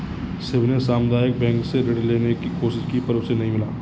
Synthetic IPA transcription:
sɪbnesaːmd̪aːjək̚bɛ̃ːŋkseɾeɽleːnekikoːʃɪskipɐɾbsenɐɦĩmɪlaː

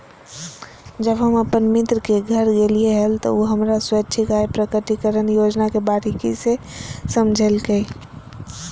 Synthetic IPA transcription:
d͡ʒəbɦəməpənmit̪ɾəkeɡʱəɾɡelieɦəlt̪ɔ̰uɦəmɾaswəːt͡ʃʰikajpɾəkəʈikəɾənjod͡ʒnakebaɾikise | səmd͡ʒʱelkəj

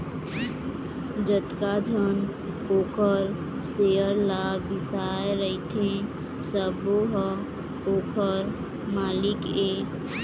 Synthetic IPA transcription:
d͡ʒət̪kad͡ʒʱən | oːkəɾ | seəɾlabisaeɾəit̪ʰẽ | səboɦə | oːkʰəɾ | maːlɪke

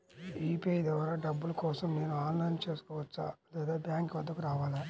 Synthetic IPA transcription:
iːpeːjd̪ɐʋɐɾaɖɐbːulɐkɔːsɐmne̞ːnuaːnlɐjnt͡ʃe̞ːsu̥kɔːʋɐt͡ʃːa̰ɐd̪ɐd̪aːbjaːŋkʋɐd̪ːɐkuɾaːʋaːlaː

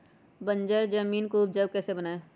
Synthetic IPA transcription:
bə̃ɲd͡ʒəɾd͡ʒəmiːnkuːb̚d͡ʒəbkɛːsebənaːe

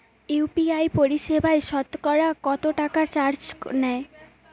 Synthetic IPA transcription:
upiajpoɾiʃebʱaeʃɔt̪kɔɾakɔt̪oʈakaɾt͡ɕaɾd͡ʑnɛe

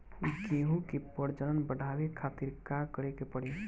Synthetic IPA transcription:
uɡẽːɦũkepəɾd͡ʒənənbəɽ̤ʱaːʋekʰat̪ɪɾkakəɾekepəɽe

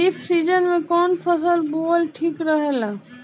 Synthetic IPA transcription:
ɪpʰsiːd͡ʒənmẽkɔːnpʰəsəlboːlʈʰiːkɾəɦeːlaː

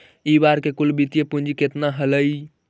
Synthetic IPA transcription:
iːbaːɾkekʊlbit̪ijepũnd͡ʒʱiket̪naɦələi

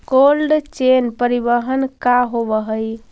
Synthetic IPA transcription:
kolɖt͡ʃenpəɾibəɦənkaɦobəɦəj

